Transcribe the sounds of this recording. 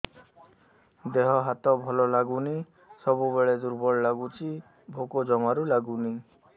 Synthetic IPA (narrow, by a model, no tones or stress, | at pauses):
d̪eɦɔɦat̪ɔbʱɔlɔlaɡuni | sɔbubeɭed̪uɾbɔɭlaɡut͡ʃʰi | bʱokod͡ʒɔmaɾulaɡuni